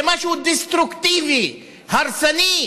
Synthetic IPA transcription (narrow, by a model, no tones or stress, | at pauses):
mɐɕud̪ist̪ɾukt̪iʋi | hɐɾsɐni